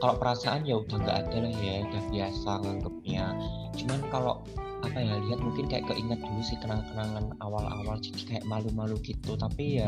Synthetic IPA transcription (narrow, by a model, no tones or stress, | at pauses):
kaloʔpəɾasaʔanjaud̪̥a̤ŋɡa̰ʔad̥a̤lahjad̥a̤hb̥iasaŋaŋɡəp̚ɲḁ | d͡ʒəŋankalo̰ʔ | apajaliɦat̪̚muŋkɪnkaja̰ʔkəʔiŋat̪̚d̪̥ulusɪhkənalkənaŋanawalʔa̰wald͡ʒə̥i̥kaja̰ʔmalumaluɡ̥it̪ut̪apija